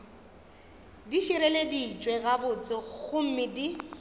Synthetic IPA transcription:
diʃiɾeledit͡ʃʼwɛɣabʊt͡sʼɪɣʊm̩mɪdi

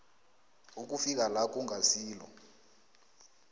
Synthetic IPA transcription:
uk̬ʼufik̬alak̬ʼuŋʱasiːlɔ̰

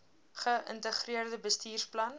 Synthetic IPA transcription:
χəʔə̰ntəχriərdəbəstiːrsplɐn

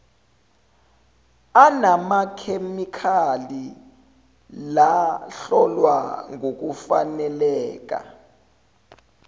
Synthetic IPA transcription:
anamakʰemikʰali | laɬɔlwa̰ŋok̬ufa̰nɛlɛːk̬a̰

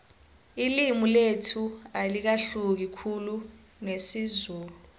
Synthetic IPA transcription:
ilimuletʰualik̬aɬuk̬ikʰulu | nesizuːlu

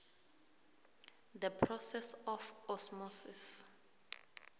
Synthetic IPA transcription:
dəpʰrɔsɛsɔfɔsmɔsis

